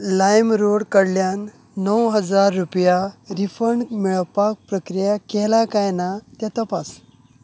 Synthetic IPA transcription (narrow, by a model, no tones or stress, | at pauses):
lajmɾoɽkəɽljanː | əwɦəd͡zaɾːupjaɾifəɳɖmiɭpak̚pɾəkɾijakɛlakajnat̪jat̪əpas